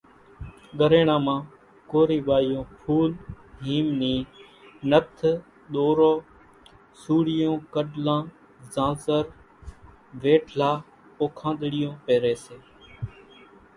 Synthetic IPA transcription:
ɠəɾeːɳãːmãː | koːɾiːʋaːɪjõːpʰuːl | ɦiːmniː | nət̪ʰ | ɗ̪oːɾoː | suːɽɪjõːkəɖlãː | zãːzəɾ | ʋeːʈʰlaː | oːkʰãːnd̪ɽɪjõːpeːɾeːseː

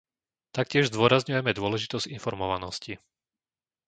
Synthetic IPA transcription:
t̪ak̚cɪɛʒzd̪ʊɔɾazɲujɛmɛd̪ʊɔlɛʒit̪ɔzɟinfɔɾmɔʋanɔsci

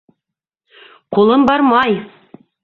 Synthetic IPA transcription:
qʰolˠəmbɑɾmɑj

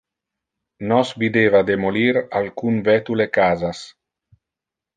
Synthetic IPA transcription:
nɔsvid̪eːvad̪emoliɾalkunvɛt̪ulekaːzas

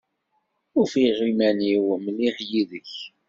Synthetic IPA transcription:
ʊɾfiʁimæniwmliʁjiðəç

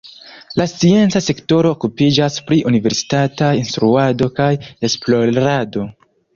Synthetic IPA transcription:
last͡sie̞nt͡sase̞kto̞ɾo̞ːkupid͡ʒaspɾiʔunive̞ɾsi̥tatainst̪ɾuado̞kaje̞splo̞ɾado̞

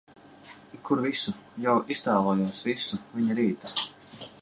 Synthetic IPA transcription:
kʰuɾvisujawʔist̪aːvˠoːjuɔsvisuviɲiɾiːt̪u̥

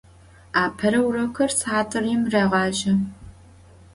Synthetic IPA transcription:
aːpʰɐɾɐwrɐkʰɐrsaːtʰʼɨrjɪmreːʁɑːʒɐ

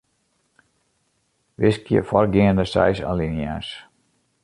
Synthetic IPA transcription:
ʋɪskjə̰fɔrɡiəndəsɛ̰jsa̰linjas

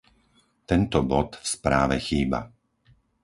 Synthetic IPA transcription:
t̪ɛnt̪ɔbɔt̪fspɾaːʋɛxiːba̰

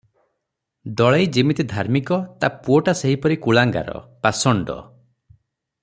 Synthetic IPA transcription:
d̪ɔɭajd͡ʒimit̪id̪ʱaɾmikɔt̪apuɔʈaseɦipɔɾikuɭaŋɡa̰ɾɔ̰pasɔɳɖɔ̰

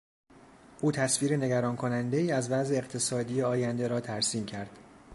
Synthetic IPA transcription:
ʔuːt̪ʰæsviːɾene̞ɟæɾɒːnkʰo̞nænd̪e̞iːæzvæzeːqt̪ʰe̞sɒːd̪iːjeɒːjænd̪e̞ɾɒːt̪ʰæɾsiːmcʰæɾd̪̥

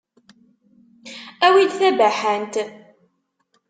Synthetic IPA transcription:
æwid̪θæbæħənt̪

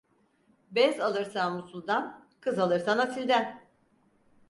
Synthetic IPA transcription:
bɛzalˠɯɾsanmusulˠd̪ankʰɯzalˠɯɾsanat̪ʰilʲd̪æn

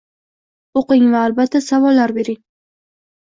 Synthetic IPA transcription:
oqɪŋvaːlbat̪ʰːasavɒlːaɾbe̞ɾɪŋ

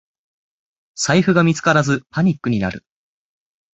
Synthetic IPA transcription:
saiɸɯ̟ɡamʲit͡sɨ̥kaɾazɨpaɲ̟ikːɯ̟ɲ̟ina̰ɾɯ̟

